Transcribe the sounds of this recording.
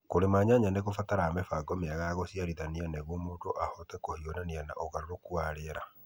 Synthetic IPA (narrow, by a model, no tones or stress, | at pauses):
koɾemaːɲaɲaneɣofataɾamɛfaɡɔmeaɣaɣosiaɾiðanianɛɣwɔmoːndoʔahɔtɛkohionaniana̰ʔoɣaɾoɾokuaɾeɾa